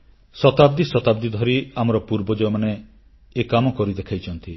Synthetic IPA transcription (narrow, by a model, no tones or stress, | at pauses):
sɔt̪abd̪isɔt̪abd̪id̪ʱɔɾiamɔɾɔpuɾbɔd͡ʒɔmane | ekamɔkɔɾid̪ekʰajt͡ʃʰɔnt̪i